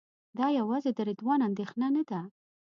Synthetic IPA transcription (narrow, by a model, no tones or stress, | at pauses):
d̪ɑjawɑzed̪əɾɪd̪wɑnand̪exnanad̪a